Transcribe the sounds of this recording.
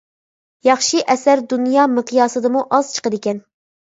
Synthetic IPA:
jɑχʃiʔɛsæɾd̪unjɑːmɨqʰijɑːsɨd̪ɨmuʔɑz̥t͡ʃʰə̥qəd̪ɪkʲɛn

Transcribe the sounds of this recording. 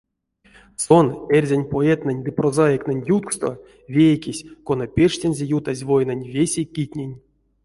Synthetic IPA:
sonerʲzʲanʲpoɛt̪nɨnʲd̪ɨprozajeknɨnʲjut̪̚kst̪o̰ | vʲejkʲisʲkonapʲeʂtʲenʲzʲejut̪azʲvojnanʲvʲesʲekʲitʲnʲenʲ

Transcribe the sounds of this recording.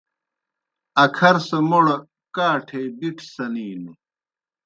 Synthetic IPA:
ɐkʰɐɾsɐmoɽɐ | kaːʈʰeːbiʈʰsɐniːnu

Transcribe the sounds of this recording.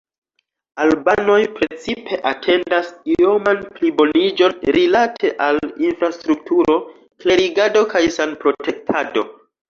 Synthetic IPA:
albano̞jpɾe̞t͡sipʰe̞ʔatʰe̞ndasio̞manplibo̞nid͡ʒo̞nɾilatʰe̞ʔalinfɾastɾuk̚tuɾo̞ | kle̞ɾiɡado̞kajsanpɾo̞te̞k̚tʰado̞

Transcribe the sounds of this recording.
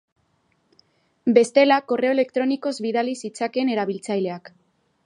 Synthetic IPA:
be̞st̪e̞lako̞re̞o̞e̞le̞kt̪ɾo̞niko̞zβiðalisit͡sake̞ːne̞ɾaβilt͡sajle̞ak

